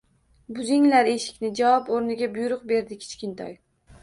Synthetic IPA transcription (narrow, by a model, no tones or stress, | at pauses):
bʊzɪŋlaɾe̞ʃɪ̥kʲnɪd͡ʒawɒpoɾnɪɡʲabʊjɾʊqbe̞ɾd̪ɪkʲʰɪ̥t͡ʃkʲɪnt̪ʰɒ̰j